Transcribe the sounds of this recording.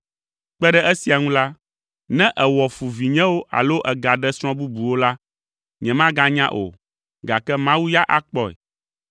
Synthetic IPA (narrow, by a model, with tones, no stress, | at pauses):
k͡pɛ˦ɖɛ˦ʔɛ˦si˨a˨ŋũ˦la˦ | nɛ̃˦ʔɛ˨wɔ˨fu˨vi˨ɲɛ̃˦wo˦ʔa̰˨lo˦ʔɛ˨ɡa˨ɖɛ˦sɾ̃ɔ̃˦bu˦bu˨wo˦la˦ | ɲɛ̃˨mã˦ɡa˦ɲã˦ʔo̰˨ | ɡa˨kɛ˦mã˦wu˦ja˦ʔa˦k͡pɔ˦ɛ̰˨